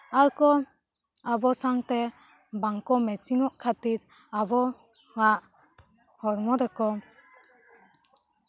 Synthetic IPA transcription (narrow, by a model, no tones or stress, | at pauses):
aɾkɔ | abɔsaŋt̪ɛ | baŋkɔmɛt͡ʃiŋɔʔkʰat̪iɾ | abɔ | ŋaʔ | hɔɾmɔd̪ɛkɔ